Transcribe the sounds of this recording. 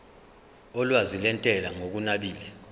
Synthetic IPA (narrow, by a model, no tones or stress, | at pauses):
ɔlwazilɛntʼɛlaŋok̬unaɓiːlɛ